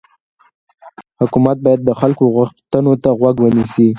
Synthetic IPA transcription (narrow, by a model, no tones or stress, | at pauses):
hʊkumat̪̚bɑjad̪̚ːəxalkoɣʊxt̪ənot̪aɣwaɡwənisi